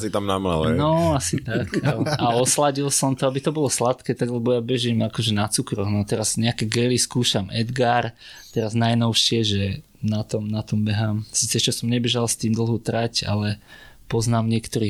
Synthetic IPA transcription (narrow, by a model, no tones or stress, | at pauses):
sit̪amnama̰lɛ̰nɔasit̪akʔaaɔslaɟilsɔmt̪ɔabit̪ɔbɔlɔslat̪kɛːt̪aɡlɛbɔjabɛʒimakɔʒɛnat͡sukɾɔɣnɔt̪ɛɾazɲɛakɛɡɛliskuːʃamʔɛ̰d̪ɡaɾt̪ɛɾaznajnɔʊʃɪɛʒɛ | nat̪ɔmnat̪ɔmbɛɦamsiːt͡sɛt͡ʃɔsɔmɲɛbɛʒalst̪iːmd̪l̩ˠɦut̪ɾaca̰lɛpɔznaːmɲɪɛkt̪ɔɾiː